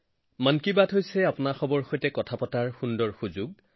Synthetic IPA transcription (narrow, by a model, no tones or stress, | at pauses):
mankibatɦojsɛapʊnaxɔbɔɹxojtɛkɔtʰapɔtaɹxundɔɹxuzuɡ̚